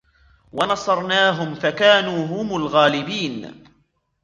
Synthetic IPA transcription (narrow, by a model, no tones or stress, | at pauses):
wɑnɑsˤɑɾˤnaːɦʊmfakaːnuːɦʊmʊlɣaːlɪbiːn